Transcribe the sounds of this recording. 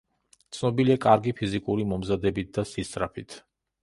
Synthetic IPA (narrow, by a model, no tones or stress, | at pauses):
t̪sʰnɔbiliakʼaɾɡipʰizikʼuɾimɔmzad̪ɛbit̪̚ʰd̪asisʼɾapʰit̪ʰ